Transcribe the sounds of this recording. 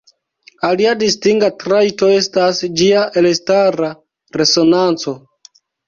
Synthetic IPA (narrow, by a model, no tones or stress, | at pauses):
aliadistiŋɡatɾajto̞e̞stasd͡ʒiaʔelestaɾa | ɾe̞so̞nant͡so̞